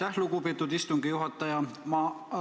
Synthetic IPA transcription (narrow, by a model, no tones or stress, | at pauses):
æhluɡupeːt̪ːˑud̪ist̪uŋɡ̥ijuɦɑt̪ːˑɑjɑmɑ